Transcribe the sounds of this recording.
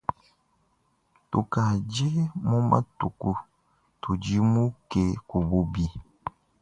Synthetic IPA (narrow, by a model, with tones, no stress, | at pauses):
tu˨ka˨d͡ʒe˦mu˦mʔa̰˦tu˨ku˦ | tu˨d͡ʒi˦mu˦ke˨ku˨bu˦bi˨